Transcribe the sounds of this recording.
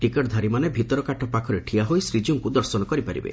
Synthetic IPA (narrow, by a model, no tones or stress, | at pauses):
ʈikɔʈd̪ʱaɾimanebʱit̪ɔɾɔkaʈɔpakʰɔɾeʈʰiaɦojsɾid͡ʒuŋkud̪ɔɾsɔnɔkɔɾipaɾḭbḛ